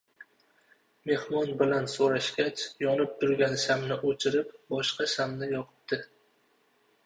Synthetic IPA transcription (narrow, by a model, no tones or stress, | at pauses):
me̞hmɒnbɪlansoɾaʃɡʲat͡ʃjɒnɪp̚t̪ʰʊɾɡʲansamnɪʔot͡ʃʰɪɾɪpbɒʃqɑʃamnɪjɒqʰɨ̥p̚d̪̥ɪ